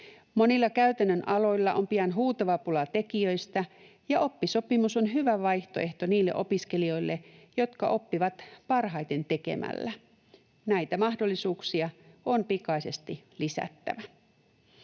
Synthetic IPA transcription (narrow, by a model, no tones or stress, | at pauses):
mo̞nilːɑkæyt̪ænːønʔɑlo̞jlːɑʔo̞̰mpiɑnɦuːt̪ɑʋɑpulɑt̪e̞kiøjst̪æ | jɑo̞pːiso̞pimuso̞nɦyʋæʋɑjht̪o̞ʔe̞ht̪o̞niːlːe̞ʔo̞piske̞lio̞jlːejo̞t̪kɑʔo̞pːiʋɑt̪pɑrɦɑjt̪e̞nt̪e̞ke̞̰mæ̰lːæ | næjt̪æmɑhdo̞lːisuːksiɑo̞npikɑise̞st̪ilisæ̰t̪ːæ̰ʋæ